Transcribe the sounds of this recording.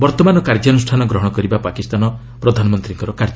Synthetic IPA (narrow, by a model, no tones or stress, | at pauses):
bɔɾt̪ɔmanɔkaɾd͡ʒɔnusʈʰanɔɡɾɔɦɔɽ̃ɔkɔɾibapakist̪anɔ | pɾɔd̪ʱanɔmɔnt̪ɾiŋkɔɾɔkaɾd͡ʒɔ